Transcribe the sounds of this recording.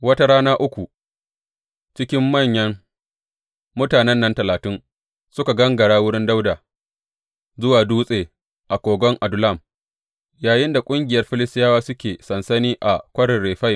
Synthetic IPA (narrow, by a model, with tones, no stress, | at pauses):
wɐ˦ta˦ɽaː˦naː˦ʔʊ˦kʷu˨ | t͡ʃɪ˦kʲɪ˦mːɐ˦˨ɲjɐ˦ŋ | mʊ˦taː˨nɛ˦nːɐ˦ntɐ˨laː˨tɪ˦ŋ | sʊ˦ka˨ɡɐ˦ŋɡɐ˨ɽaː˦wʊ˦ɽɪ˦nda˦wdaː˨ | zʊ˦waː˨duː˦sʼeː˨ | ʔa˨kʷoː˨ɡʷɔ˦ŋʔa˨dʊ˨la˦˨m | jaː˨jɪ˦nda˨kʷʼʊ˦ŋɡʲɪ˨jɐ˨rɸɪ˦lɪ˦stʼɪ˦jaː˦waː˦sʊ˦kʲeː˨sɐ˨nsɐ˦niː˦ʔa˨kʷɐ˦ɽɪ˨ɽeː˨ɸɐ˦j